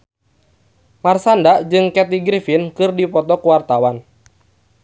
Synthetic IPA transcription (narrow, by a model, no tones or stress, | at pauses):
marsandaʔd͡ʒɨŋkɛt̪iɡɾifinkɨrdipɔt̪ɔkuwart̪awan